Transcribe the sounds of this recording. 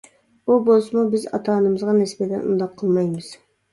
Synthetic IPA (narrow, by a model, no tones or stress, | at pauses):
bubolˠsumubɪzɑ̰t̪ʰɑːnɨmɨzʁɑnɛsbɛd̪ɛnṵnd̪ɑqʰːəlˠmɑjmɨz̥